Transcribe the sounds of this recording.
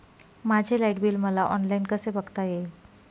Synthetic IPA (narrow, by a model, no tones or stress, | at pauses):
mad͡ʑʱelaiʈbilməlaʔɔnlainkəsebəɡt̪aje